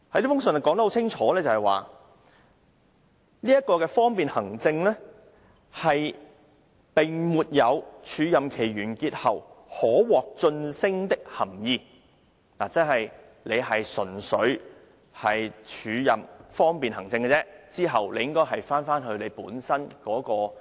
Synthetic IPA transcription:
hɐ˨˥jt̪i˥fʊ˥ŋs̬ɵ˨nɐ˨˩kɔ˨˥ŋt̪ɐ˥ho˧˥t͡sʰɪ˥ŋt͡ʃʰɔː˨˥lɛ˥t͡sɐ˨hɐ˨jwa̰ː˨ | niː˥jɐ˥t̚kɔː˧kɛː˧fɔː˥ŋpiː˨nhɐ˨˩ŋt͡sɪ˧ŋlɛ˥ | hɐ˨j | pɪ˨˩ŋmuː˨t̚jɐ˨˧wt͡ʃʰyː˨˧jɐ˨mkʰe˨˩jɥyː˨˩nkiː˧t̚hɐ˨whɔː˨˥wɔː˨k̚t͡ʃɵ˧nsɪ˥ŋt̪ɪ˥k̚hɐ˨˩mjiː˧ | naː˨˩t͡sɐ˥nɦɐ˨j | le˨˧jɦɐ˨jsɵ˨˩nsɵ˨˥ɥ | hɐ˨jt͡ʃʰyː˨˧jɐ˨mfɔː˥ŋpiː˨nɦɐ˨˩ŋt͡sɪ˧ŋɡɛ˧t͡sɛː˥t͡siː˥ɦɐ˨wle˨˧jɪ˥ŋkɔː˥jɦɐ˨jfaː˥nfaː˥nɦɵ˧le˨˧jpuː˨˥nsɐ˥nkɔː˨˥kɔː˧

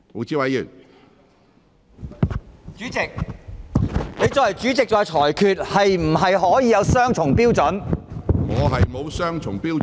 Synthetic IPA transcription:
mo˨˥wt͡siː˥wɐ˨˥jyː˨˩n | t͡ʃyː˨˥t͡sɪ˨k̚ | ne˨˧jt͡sɔː˨˧jhɐ˨˩jt͡ʃyː˨˥t͡sɪ˨k̚t͡ʃɔː˨˧jt͡ʃʰɔː˨˩jkʰyː˨t̚hɐ˨jm̩˨˩ɦɐ˨jɦɔː˨˥jiː˨˧jɐ˨˧wsœː˥ŋt͡ʃʰʊ˨˩ŋpiː˥wt͡sɔ˨˥nŋɔː˨˧ɦɐ˨jmo˨˧wsœː˥ŋt͡ʃʰʊ˨˩ŋpiː˥w

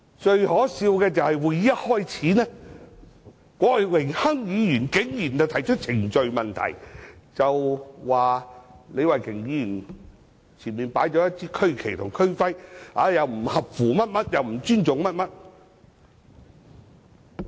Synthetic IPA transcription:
t͡ʃɵ˧ɥhɔː˨˥siː˧wkɛː˧t͡sɐ˨whɐ˨jwuː˨˧jːɐ˥t̚hɔː˥jt͡sʰiː˨˥nɛː˥ | kʷɔː˨˧˥wɪ˨˩ŋhɐ˥ŋjiː˨˧jyː˨˩nkɪ˨˥ŋjyː˨˩nt͡sɐ˨˧wt̪ʰɐ˨˩jt͡ʃʰɵ˥t̚t͡sʰɪ˨˩ŋt͡ʃɵ˨˧ɥmɐ˨nt̪ʰɐ̰˨˩jt͡sɐ˨wwaː˨le˨˧jwɐ˨jkʰɪ˨˩ŋjiː˧jy˨˩n | t͡sʰiː˨˩nmiː˨npaː˨˥jt͡ʃɔ˨˧˥jɐ˥t̚t͡sʰiː˥kʰɵ˥ɥkʰe˨˩jt̪ʰʊ˨˩ŋkʰɵ˥ɥfɐ˥ja̰ː˨˥jɐ˨˧wm̩˨˩hɐ˨p̚fuː˨mɐ˥t̚mɐ˥t̚jɐ˨wm̩˨˩t͡ʃyː˥nt͡sʊ˨ŋmɐ˥t̚mɐ˥t̚

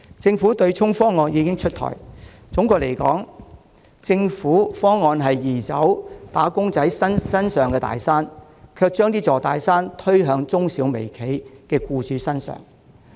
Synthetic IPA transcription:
t͡sɪ˧ŋfuː˨˥t̪ɵ˧ɥt͡ʃʰʊ˥ŋfɔː˥ŋɔː˧njiː˨˧kɪ˥ŋt͡ʃʰɵ˥t̚t̪ʰɔ̰ː˨˩j | t͡sʊ˨˥ŋkɔː˧k̚le˨˩jkɔ̰ː˨˥ŋ | t͡sɪ˧ŋfuː˨˥fɔː˥ŋːɔː˧nɦɐ˨jiː˨˩t͡sɐ˨˥wt̪aː˨˥kʊ˥ŋt͡sɐ˨˥jsɐ˥nsɐ˥nsœː˨ŋkɛː˧t̪a̰ː˨jsaː˥n | kʰœː˧k̚t͡ʃœː˥ŋt̪iː˥t͡sɔː˨t̪aː˨jsaː˥nt̪ʰɵ˥ɥɦœː˨˧ŋt͡sʊ˥ŋsiː˨˧˥wme˨˩jkʰe˨˥jkɛː˧kuː˧t͡syː˨˥sɐ˥nsœ̰ː˨˩ŋ

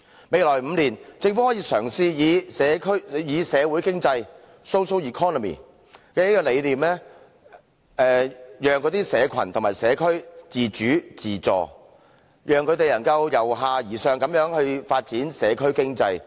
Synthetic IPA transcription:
me˨˧jlɔː˨˩jm̩ː˨˧liː˨˩nt͡sɪ˧ŋfu˨˥hɔː˨˥jiː˨˧sœː˨˩ŋsiː˧jiː˨˧sɛː˨˧kʰɵ˥ɥjiː˨˧sɛː˨˧wuː˨˥jkɪ˥ŋt͡sɐ˧j | so˥wso˥wjiː˨˩kʰɔː˥nɔ˨mḭː˨˩ | kɛː˧jiː˥kɔː˧le˨˧jliː˨mlɛː˥ | ɛː˨jœː˨ŋkɔː˨˧˥t̪iː˥sɛː˨˧kʰɐ̰˨˩nt̪ʰmaː˨jsɛː˨˧kʰɵ˥ɥt͡siː˨t͡ʃyː˨˥t͡siː˨t͡sɔ̰ː˨ | jʔœː˨˩ŋkʰɵ˨˧ɥt̪e˨jlɐ˨˩nkɐ˧wjɐ˨˩wɦaː˨˧jiː˨˩sœː˨ŋkɐ˨˥mjœː˨˥ŋhɵ˧ɥfaː˧t̚t͡siː˨˥nsɛː˨˧kʰɵ˥ɥkɪ˥ŋt͡sɐ˧j

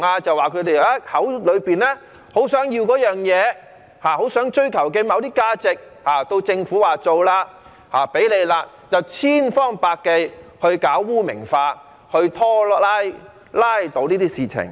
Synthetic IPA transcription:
ŋaː˧t͡sɐ˨waː˨kʰɵ˨˧ɥt̪e˨˩jaː˥hɐ˨˥wlɵ˨˧ɥpiː˨nlɛː˥ | ho˨˥wsœː˨˥ŋji˧wkɔː˨˥jœː˨ŋjɛː˨˧ | haː˨˩ho˨˥wsœː˨˥ŋt͡ʃɵ˥ɥkʰɐ˨˩wkɛː˧mɐ˨˧wt̪iː˥kaː˧˥t͡sɪ˨k̚ | haː˨t̪o˧wt͡sɪ˧ŋfuː˨˥waː˨˩t͡so˨wlaː˧ | haː˨˩pe˨˥jle˨˧jlaː˧ | t͡sɐ˨wt͡sʰiː˥nfɔː˥ŋpaː˧kːe˧jhɵ˧ɥkaː˨˥wːuː˥mɪ̰˨˩ŋfaː˧ | hɵ˧ɥt̪ʰɔː˥aː˥j | laː˥jt̪o˨˧wniː˥t̪iː˥siː˨˩t͡sʰɪ̰˨˩ŋ

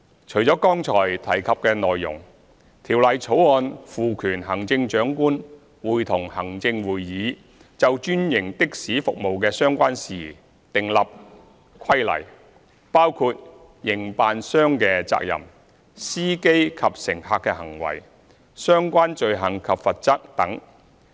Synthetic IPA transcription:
t͡ʃʰɵ˨˩jt͡sɔː˨˥kɔː˥ŋt͡ʃʰɔː˨˩jt̪ʰɐ˨˩jkʰɐ˨p̚kɛː˧nɔː˨jːʊ̰˨˩ŋ | t̪ʰiː˨˩wlɐ˨jt͡sʰo˨˥wɔː˧nfuː˨kʰyː˨˩nɦɐ˨˩ŋt͡sɪ˧ŋt͡ʃœː˨˥ŋkuː˥n | wuː˨˧jt̪ʰʊ˨˩ŋhɐ˨˩ŋt͡sɪ˧ŋwuː˨jːiː˨˧˥ | t͡sɐ˨wt͡ʃyː˥njɪ˨˩ŋt̪ɪ˥k̚siː˨˥fʊ̰˨k̚mo˨wkɛː˧sœː˥ŋkʷaː˥nsiː˨ | t̪ɪ˨ŋlɐ˨p̚ | kʰɐ˥jlɐ̰˨˩j | paː˥wkʰuː˧t̚ | jɪ˨˩ŋpaː˨nsœː˥ŋkɛː˧t͡sa̰ː˧˥k̚jɐ̰˨˩m | siː˥ke˥jkʰɐ˨p̚sɪ˨˩ŋhaː˧kːɛ˧hɐ˨˩ŋwɐ̰˨˩j | sœː˥ŋkʷaː˥nt͡ʃɵ˨ɥɦɐ˨˩ŋkʰɐ˨pfɐ˨t̚t͡sɐ˥k̚t̪ɐ˨˥ŋ

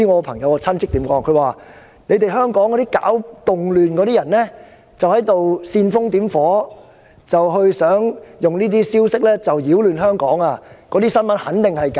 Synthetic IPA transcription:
i˥ŋɔː˨˧pʰɐ˨˩ŋjɐ˨˧wɔ˧t͡sʰɐ˥nt͡sʰɪ˥k̚t̪i˨˥mkɔː˨˥ŋkʰɵ˧ɥwaː˨ | ne˨˧jt̪e˨jɦœː˥ŋkɔː˨˥ŋkːɔ˨˧t̪iː˥ka̰ː˨˥wt̪ʊ˨ŋlyː˨nkɔː˨˧˥ɾiː˥jɐ˨˩nlɛː˥ | t͡sɐ˨whɐ˨˥jt̪o˨wsiː˧nfʊ˥ŋt̪iː˨˥mfɔː˨˥ | t͡sɐ˨wɦɵ˧ɥsœː˨˥ŋjʊ˨ŋniː˥t̪iː˥siː˥wsɪ˥k̚lɛː˥t͡sɐ˨wjiː˨˥wlyː˨˩nɦœː˥ŋkɔː˨˥ŋaː˧kɔː˨˥t̪iː˥sɐ˥nmɐ˨˥nhɐ˨˥nt̪ɪ˨ŋhɐ˨jka˨

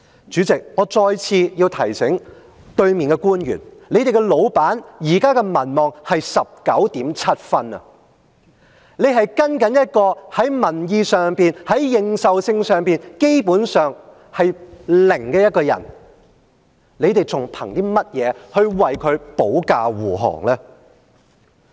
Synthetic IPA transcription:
t͡ʃyː˨˥t͡sɪ˨k̚ŋɔː˨˧t͡sɔː˧jt͡sʰiː˧jiː˧wt̪ʰɐ˨˩jsɪ˨˥ŋ | t̪ɵ˧ɥmiː˨˩nkɛ˧kuː˥njy̰ː˨˩nle˨˧jt̪e˨jkɛ˧lo˨˧wpaː˨˥njiː˨˩kaː˥kɛ˧mɐ˨˩nmɔː˨ŋhɐ˨jsɐ˨p̚kɐ˨˥wt̪iː˨˥mt͡sʰɐ˥t̚fɐ˥nɐ̰˨˧ | ne˨˧jɦɐ˨jkɐ˥nkɐ˨˥njɐ˥t̚kɔː˧hɐ˨˥jmɐ˨˩njiː˨sœː˨ŋpiː˨˧nhɐ˨˥jːɪ˨ŋsɐ˨wsɪ˧ŋsœː˨˩ŋpiː˨nke˥jpuː˨˥nsœː˨ŋ | hɐ˨jlɪ˨˩ŋkɛː˧jɐ˥t̚kɔː˧jɐ̰˨˩n | le˨˧jt̪e˨jt͡sʰʊ˨˩ŋpʰɐ̰˨˩ŋt̪iː˥mɐ˥t̚jɛː˨˧hɵ˧ɥwɐ˨jkʰɵ˨˧ɥpo˨˥wkaː˧wuː˨˩ɦɔ̰ː˨˩ŋlɛː˥

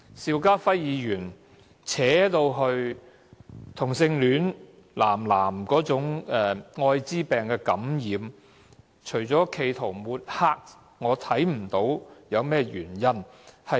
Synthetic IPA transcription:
siː˧wkaː˥fɐ˥jːiː˨˧jyː˨˩n | t͡sʰɛː˨˥t̪o˧wɦɵ˧ɥ | t̪ʰʊ˨˩ŋsɪ˧ŋlyː˨˥n | laː˨˩mlaː˨˩mkɔː˨˥t͡sʊ˨˥ŋɛː˨˧ŋɔː˧jt͡siː˥pɛː˨ŋkɛː˧kɐ˨˥mjiː˨˧m | t͡ʃʰɵ˨˩ɥt͡sɔː˨˥kʰe˧jt̪ʰo˨˩wmuː˨t̚haː˧˥k̚ | ŋɔː˨˧t̪ʰɐ˨˥jm̩˨˩t̪o˨˧˥wjɐ˨˧wmɛː˥jyː˨˩njɐ˥nhɐ˨

